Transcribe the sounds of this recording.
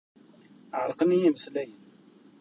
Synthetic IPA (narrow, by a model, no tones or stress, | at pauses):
ʕəɾˤqənijiməslæjən